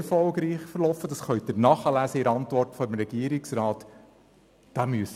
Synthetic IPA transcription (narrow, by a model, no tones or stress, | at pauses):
ɾfɔlɡɾiːχfəɾlɔfːəd̥ɑsχœɥtəɾnɑχəlæːsəɪɾɑntʋɔrtfɔəmɾɛɡ̥iəɾiksrɑːt | d̥ɑmyəs